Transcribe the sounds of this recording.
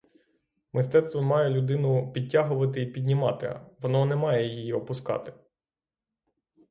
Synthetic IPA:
mʔɪst̪ɛt̪st̪ʋɔmɑjɛlʲʊd̪ɪnʊpʲid̚ʲtʲːaɦʊʋɐt̪ɪipʲid̪ʲnʲimɑt̪ɪ̰ʋɔnɔnɛmɑjɛjijiɔpʊskɑ̰t̪ɪ̥

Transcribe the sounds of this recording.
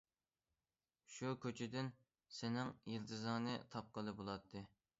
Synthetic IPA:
ʃukʲøt͡ʃʰid̪ɪn | sɪnɪŋjilt̪ʰɨzɑːnɨt̪ʰɑp̚qəlˠɨbolˠɑt̪ʰːɨ

